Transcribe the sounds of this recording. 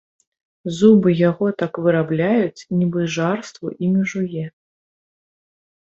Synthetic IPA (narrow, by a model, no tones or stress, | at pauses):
zubɨjaɣɔt̪akvɨɾablʲajut͡sʲnʲibɨʐarst̪vuʔimʲiʐujɛ